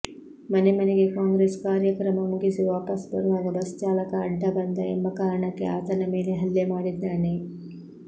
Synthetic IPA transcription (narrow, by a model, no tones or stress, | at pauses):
mɐnemɐneɡekãŋɡɾeskaːɾjəkɾɐmɐmuɡiseʋaːpɐsbəɾuʋaɡabɐst͡ʃaːlɐkaːɖʱːabɐnd̪ʱaembakaːɾɳakea̰ːt̪anɐmeɳeɦɐlːemaːɽid̪naːne